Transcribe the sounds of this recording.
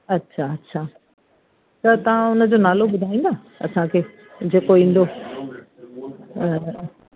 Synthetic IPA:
ɐtːɕʰaɐtːɕʰaː | t̪ɐt̪ɐʋ̤ãʊnə̆d͡ʑoːnaːloɓʊd̪ʱaːĩːnd̪aː | ɐ̰sãkʰeː | d͡ʑeːkoĩːn̆d̪o

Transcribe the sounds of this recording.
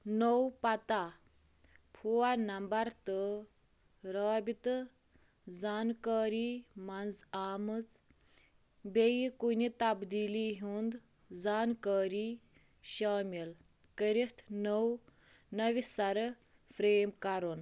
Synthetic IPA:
nəwpɐt̪a | pʰuanɐmbɐɾt̪ɨ | ɾaːbit̪ | d͡zaːnkaːɾiːmɐnd͡zaːmɨt͡s | bejikunit̪ɐbd̪iːliɦuːnd̪ | d͡zaːnkaːɾiː | ɕaːmil | kəɾit̪ʰnəw | nɐʋisɐɾ | fʰɾeːmkɐɾun

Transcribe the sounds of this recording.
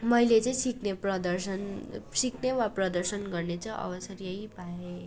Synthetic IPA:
mʌjlet͡sʌĩsikneprʌd̪ʌrsʌnsiknewaprʌd̪ʌrsʌnɡʌrnet͡sʰʌʔʌ̰bʌsʌɾjʌɦjbʱae

